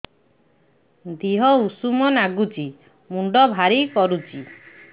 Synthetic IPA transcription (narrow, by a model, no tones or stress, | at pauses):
d̪iɦɔusumɔnaɡut͡ʃi | muɳɖɔbʱaɾikɔɾut͡ʃi